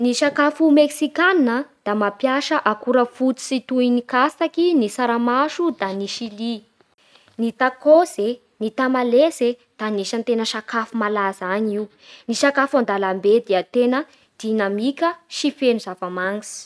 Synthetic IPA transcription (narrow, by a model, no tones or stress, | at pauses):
niʃakafumeksikanːəd̪̥amapjaʃəʔakuɾəfut̪i̥sit̪uinikasakinisaɾamaʃud̪aniʃili | nit̪akoze | nit̪amaleze | d̪̥aniʃant̪enəʃakafumalazaɲiu | niʃakafand̪alambed̪iət̪enə | d̪̥inamikʲəʃifenuzavəmaŋsi̥